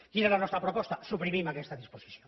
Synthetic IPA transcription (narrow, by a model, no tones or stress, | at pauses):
kiɾalanost̪ɾapɾopost̪asupɾimĩmakest̪aðisposiθjoŋ